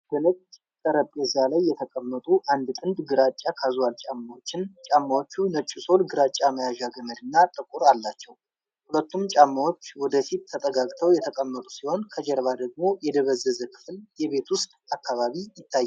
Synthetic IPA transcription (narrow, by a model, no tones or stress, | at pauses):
b̥ənət͡ʃʼt͡ʃʼ | k̪ʼəɾəpʼːɛzalajːɛt̪ʰəkʼəmːət̪ʼuʔand̪t̪ʼɨnd̪ɡɨɾat͡ʃʼːakʰazwalt͡ʃʼamːawot͡ʃːɪnt͡ʃʼamːawo̞t͡ʃːunət͡ʃʼːuso̞lɡɨɾat͡ʃʼːaməjaʒaɡəməd̪ɨnːat̪ʼɨkʼuɾalːat͡ʃːɛw | hulət̪ːumt͡ʃʼamːawo̞t͡ʃːwɔd̪əfit̪ʰːət̪ʼəɡakʼt̪ʰəwjɛt̪ʰəkʼəmːət̪ʼusiho̞nkʰəd͡ʒɛɾβad̪əɡ̚mo̞jɛd̪əβəzːəzəkʰɨ̥fljɛβe̞t̪wʊst̪ʼakːaβaβijɪt̪ʰːajː